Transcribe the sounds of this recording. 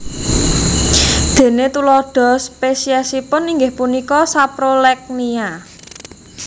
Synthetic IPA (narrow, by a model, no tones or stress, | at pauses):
d̪̥e̤net̪ulɔɖ̪̥ɔ̤spesiasipʊniŋɡɪhpunikɔsapɾolɛk̚nia